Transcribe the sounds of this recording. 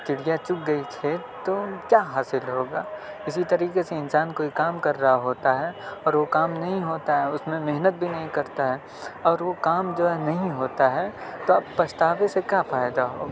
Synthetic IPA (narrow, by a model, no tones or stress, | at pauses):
t͡ʃ̪ɪɽijat͡ʃʊk̚ɡɐit̪ʰeː | t̪okjaːɦaːsɪlɦoːɡaː | ɪsit̪ɐɾiːkeseɪnsaːnkoːikaːmkɐɾːaɦaɦoːt̪aɦɛɔːɾʋokaːmnɐɦĩɦoːt̪aɦɛʊsmẽmeɦnət̪̚bʱinɐɦĩkɐɾt̪aɦɛː | ɔːɾʋokaːmd͡ʒoːɛnɐɦĩɦoːt̪aɦɛːt̪oɐbpɐst̪aːʋesekjafaːjɪd̪aɦo̰ːɡaː